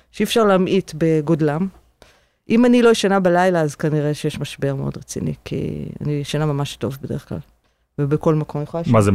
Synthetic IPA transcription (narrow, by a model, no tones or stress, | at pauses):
ʃeifʃaʁleamʔitbeɡo̞dlam | ʔimanilo̞iʃanabalajlaːzkaniʁeʃejeʃmaʃbeʁmeo̞dʁet͡sḭnḭkʰḭa̰niiʃanamamaʃto̞vbede̞ʁeχkla̰l | vebeko̞lmakʰo̞mjeχolamaze